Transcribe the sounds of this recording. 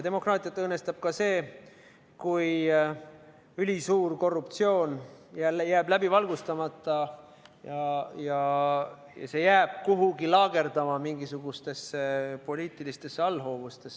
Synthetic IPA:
t̪e̞mo̞krɑːt̪ˑiɑt̪ːˑɤːnːe̞st̪ɑb̥̚kɑse̞ː | kuj | ylʲisuːrko̞rːupt̪sio̞ːnjæljæːblæbivɑlɡ̥ust̪ɑmɑt̪ːˑɑjɑjɑ | jɑ̰se̞jæːb̥̚kuɦuɡilɑːɡ̥e̞ɾd̪̥ɑmɑmiŋɡ̥isuɡ̥ust̪e̞sːepo̞liːt̪ˑilist̪e̞sːeɑlːɦo̞ːvust̪e̞s

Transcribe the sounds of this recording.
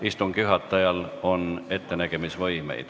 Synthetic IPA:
ist̪umkyɦɑt̪ːˑɑjɑlo̞ne̞t̪ːe̞næɡ̥e̞misvɤjme̞̰jd̪̥

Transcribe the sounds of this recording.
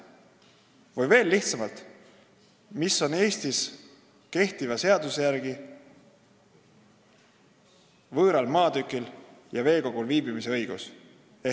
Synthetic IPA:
vɯjve̞ːlːiht̪sɑmɑlt̪ | misːo̞ne̞ːst̪is | ke̞ht̪ivɑse̞ɑd̪usejæɾɡ̥i | vɤːɾɑlmɑːd̪ykːˑil | jɑve̞ːko̞ɡ̥ulviːbimise̞ɤjɡ̥us | e

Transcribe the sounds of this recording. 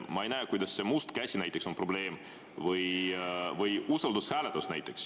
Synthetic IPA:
mɑejnæːkujd̪ɑsːe̞must̪kæsʲinæjt̪ːˑe̞kso̞npro̞ble̞ːm | vɯjvɯjusɑld̪ushæːlet̪ːusnæjt̪ːˑeks

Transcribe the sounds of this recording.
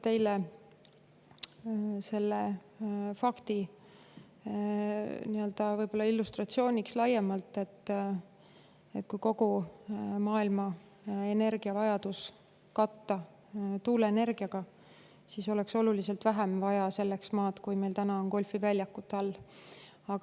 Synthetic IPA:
t̪e̞jle | se̞lːe | fɑkt̪i | niø̞ld̪̥ɑvɤjbolːɑilːust̪rɑt̪sio̞ːnʲikslɑjemɑlt̪ːˑe̞t̪ːˑ | et̪̚ːˑkujko̞ɡu | mɑːilmɑ | e̞ne̞rɡ̥iɑvɑjɑd̪us | kɑt̪ːɑ | t̪uːleene̞rɡ̥iɑɡ̥ɑ | siːso̞lekso̞lulise̞lt̪væɦemvɑjɑse̞lːeksmɑːt̪kujme̞jlt̪ænɑo̞nko̞lʲfivælʲjɑkːˑut̪ːˑɑlː | ɑɡ̥ɑ

